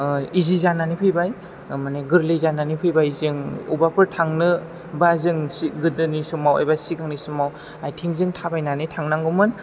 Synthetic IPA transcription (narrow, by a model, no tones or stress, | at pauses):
izizananipʰɯjbaj | maneɡɯɾlɯjzananipʰɯjbajzɯŋṵbapʰɯɾtʰaŋnɯ | bazɯŋsiɡɯdɯnisumawa̰jbasiɡaŋnisumaw | ajtʰiŋzɯŋtʰabajnanitʰaŋnaŋɡɯmɯn